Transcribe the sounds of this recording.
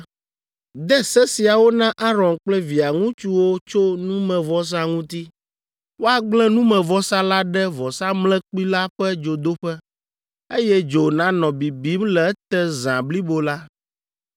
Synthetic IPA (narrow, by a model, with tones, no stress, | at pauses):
d̪ɛ˦sɛ˦si˨a˨wo˦nã˦ʔa˦ɾɔ̃˨nk͡plɛ˦vi˨a˨ŋũ˦t͡ʃu˦wo˦t͡ʃo˦nũ˦mɛ̃˨vɔ˦s̬a˦ŋũ˦t̪i˦ | wo˦a˨ɡ͡blɛ̃˦nũ˦mɛ̃˨vɔ˦sa˦la˦ɖɛ˦vɔ˨sa˦mlɛ̃˦k͡pi˦la˦ɸɛ˦d͡ʒo˨d̪o˦ɸɛ˦ | e˦jɛ˦d͡ʒo˨nã˦nɔ̃˨bi˨bi˨˦mlɛ˨˦t̪ɛ˦zã̰˨bli˦bo˨la˦